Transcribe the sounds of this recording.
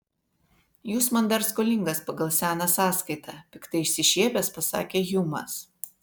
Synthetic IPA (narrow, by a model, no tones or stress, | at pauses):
juːsmɐnd̪ɐɾskolʲɪŋɡɐspɐɡɐlˠsʲæːnɑsɑːskɐɪt̪ʰɑːpʲɪkt̪ɐɪɪʃʲsʲɪʃʲiːbʲɛspɐsɑ̰ːkʲeːjʊmɐ̰s